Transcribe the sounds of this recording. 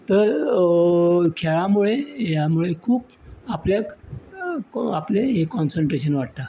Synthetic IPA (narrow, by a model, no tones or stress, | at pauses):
t̪əɾ | kʰeɭamuɭejamuɭekʰuːp | aplja | apleɦekɔnsəɳʈɾeɕənʋaʈ̚t̪a